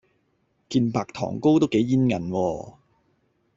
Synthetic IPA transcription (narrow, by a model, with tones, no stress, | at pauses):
kiː˧npaː˧k̚t̪ʰɔ̰ː˨˩ŋko˥wt̪o˥wke˨˥jːiː˥nŋɐ̰˨˩nwɔː˧